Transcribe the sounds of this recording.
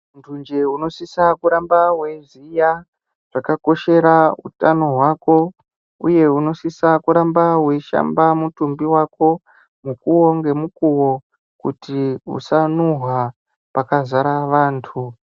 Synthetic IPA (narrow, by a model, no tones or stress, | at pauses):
ntʰund͡ʒe̞uno̞sisakuɾambaɦwe̞zija | ʐ̥akako̞ʃe̞ɾaṵtano̞ɦwaːko̞ | ṵje̞uno̞sisakuɾambaweʃa̰mbamutumbiwako̞ | mukuwo̞ŋɡe̞mukuwo̞ | kṵtiṵsanuɦwa | pakazaɾaʋaːntʰu